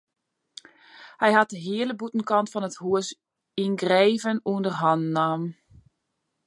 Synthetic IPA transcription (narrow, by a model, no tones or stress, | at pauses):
hɛjɦat̚dəɦiələbutn̩kɑntfɔnəthuəs | inɡreːvənuəndərɦɔnnːaːm